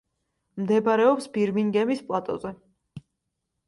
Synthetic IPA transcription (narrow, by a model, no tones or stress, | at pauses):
md̪ɛbaɾɛɔpsbiɾmiŋɡɛmispʼlˠat̪ʼɔ̰zɛ